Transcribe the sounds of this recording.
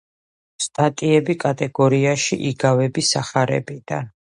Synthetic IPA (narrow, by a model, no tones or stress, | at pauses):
st̪ʼat̪ʼiɛbikʼat̪ʼɛɡɔɾiaʃiʔiɡavɛbisaχaɾɛ̰bid̪̥an